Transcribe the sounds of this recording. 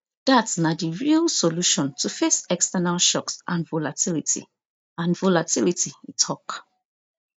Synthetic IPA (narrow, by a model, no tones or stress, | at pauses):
d̥atsnadiɹilsoluʃɔ̃ntʰufesɛkstɛnalʃɔksʔãnvolatʰilitʰḭ | ãnvolatilitiitʰɔk